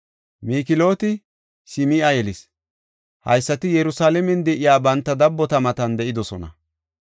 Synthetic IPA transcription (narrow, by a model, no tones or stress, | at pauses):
miːkɪlo̞ːt̪ɪ | sɪmiʔɐjɛlɪs | hɐ̰jsːɐt̪ɪjɛɾʊsaːlɛmɛnd̪ɛʔɪjaːbɐnt̪ːɐd̪ɐbːɔt̪ɐmɐt̪ɐnd̪ɛʔɪd̪ɔsɔnɐ̰